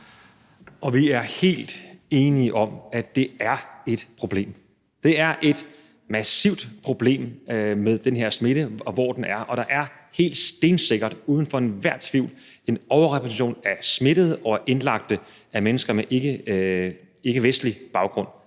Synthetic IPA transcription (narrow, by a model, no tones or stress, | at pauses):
ʔɒ̽ʋiæɐhe̝̰ːld̥e̝ːniəʔɒ̽mæd̥e̝æɐe̝d̥pʰʁo̝b̥le̝̰ːm | d̥e̝æɐʔe̝d̥ | mæsiʊ̰d̥pʰʁo̝b̥le̝̰ːmmeð̞ˠd̥enɦe̝ɐ̰sme̝ɾəɒ̽ʋɒ̰ːd̥enʔæɐʔɒ̽ɾ̥ɑ̈ʔæɐ | he̝̰ːld̥sd̥e̝ːnse̝ɡ̥ɐd̥uːð̞ˠn̩fɒ̽e̝nʋæɐ̰t͡sʰʋiʊ̰l | e̝nɒʊɐʁɛpʰæt͡sʰiɕo̝̰ːnæsme̝ɾ̥əð̞̩ˠɒ̽ʔe̝nlɑ̈ɡ̥̚d̥ə | æmenəsɡ̥ɐmeʔe̝ɡ̥ə | e̝ɡ̥əʋesd̥lib̥ɑ̈ʊɡ̥ʁɔ̽n̰